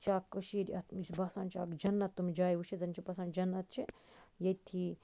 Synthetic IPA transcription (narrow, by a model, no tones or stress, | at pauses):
t͡ʃʰaːkːɐʃiɾɐt̪ibɐsaːnt͡ʃʰaːkd͡ʒɐnːɐt̪ːumid͡ʒaːjuʃizɐnʲt͡ʃʰibɐsand͡ʒɐnːɐt̪̚t͡ʃʰijɐt̪ʰi